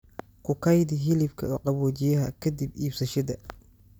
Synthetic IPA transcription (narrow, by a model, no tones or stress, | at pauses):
kʰʊkʰɐjd̪ɪɦɪlɪbkʰɐ̰ɔqɑβɔːt͡ʃɪjɐɦɐkʰɐd̪ibiːbsɐʃɐd̪ɐ